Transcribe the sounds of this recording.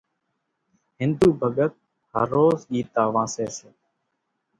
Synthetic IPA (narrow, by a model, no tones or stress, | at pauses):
hɪnd̪uːbʱəɠət̪̚ | hə̰ɾoːzʄiːt̪aːʋãːseːseː